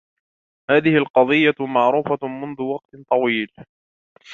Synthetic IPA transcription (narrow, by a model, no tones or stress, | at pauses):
haːðɪhɪlqɑðˤɨjːamaʕɾuːfamʊnðʊwɑq̚t̪t̪ˤɑwiːl